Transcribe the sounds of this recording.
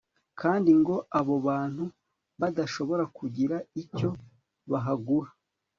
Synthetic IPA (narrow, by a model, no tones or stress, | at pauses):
kʰaːndiŋɡo̞ʔaβo̞βaːn̥hu | βadaʃo̞βo̞ɾakuɟiɾaico̞ | βaɦaɡuɾa